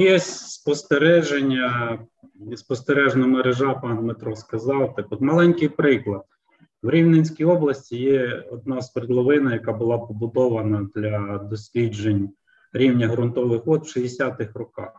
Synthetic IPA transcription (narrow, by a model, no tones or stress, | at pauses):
jɛsʲspɔst̪eɾɛʒenʲːɐ | spɔst̪eɾɛʒnɔmeɾeʒɑpɑnmet̪ɾɔskɐzɑwt̪ɑkɔt̪mɐlˠɛnʲkɪjpɾɪklˠɐd̪̚ | wɾʲiwnenʲsʲkʲijɔblˠɐsʲtʲijɛɔd̪̚nɑspɾlˠɔʋɪnɐjɐkɑbʊlˠɑpɔbʊd̪ɔʋɐnɐd̪lʲɐd̪ɔsʲlʲid͡ʒenʲ | ɾʲiwnʲɐɦɾʊnt̪ɔʋɪxʋɔd̪wʃiesʲat̪ɪxrɔkɑ̰x